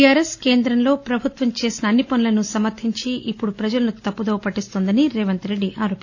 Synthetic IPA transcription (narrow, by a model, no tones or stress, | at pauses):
aːɾeske̞ːnd̪ɾɐmlo̞ːpɾɐbʱut̪ʋɐmt͡ʃe̞ːsinɐːnːipɐnlɐnusɐmɐɾt̪ʰiɲt͡ʃiʔipːuɽupɾɐd͡ʒɐlɐnut̪ɐpːud̪oːpɐʈːist̪ond̪ɐniɾɛːʋɐnt̪ɾe̞ɖːiʔaːɾoːp